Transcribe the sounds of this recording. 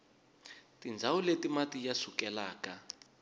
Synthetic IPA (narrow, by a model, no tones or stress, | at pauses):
tind͡zʱawuletimatijasukɛlaːka